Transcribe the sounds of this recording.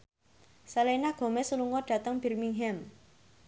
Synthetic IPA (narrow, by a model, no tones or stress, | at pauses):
salenaɡ̥ɔ̤mɛsuluŋɔɖ̥ä̤t̪əŋb̥i̤rmiŋɦɛm